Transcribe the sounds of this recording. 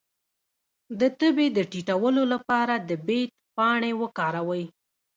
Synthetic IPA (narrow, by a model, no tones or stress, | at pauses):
d̪ət̪əbed̪əʈiʈawəlolapɑɾad̪əbet̪̚pɑɳewəkɑɾawəj